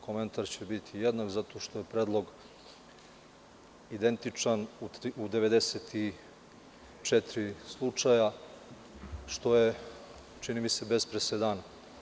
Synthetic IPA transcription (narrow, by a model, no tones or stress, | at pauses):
kʰo̞me̞nt̪aɾt͡ɕebit̪ʰijed̪nakzat̪o̞ʃt̪o̞je̞pɾed̪lˠo̞ɡ | id̪e̞nt̪it͡ʂanuud̪e̞ʋe̞d̪eset̪ʰi | t͡ʂet̪ɾislˠut͡ʂaja | ʃt̪o̞je | t͡ʃinimise̞be̞spɾesed̪aːna